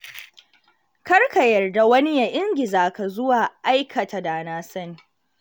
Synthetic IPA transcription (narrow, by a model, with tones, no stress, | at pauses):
kɐ˦rka˨jɐ˨rda˨wɐ˦ni˦ja˦˨ʔɪ˦ŋɡʲɪ˨zaː˨ka˨zʊ˦waː˨ʔa˦jkʰɐ˨tʰa˨da˨naː˦sɐ˦˨n